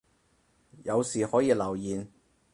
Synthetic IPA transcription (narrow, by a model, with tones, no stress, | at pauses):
jɐ˨˧wsiː˨hɔː˨˥jiː˨˧lɐ˨˩wjiː˨n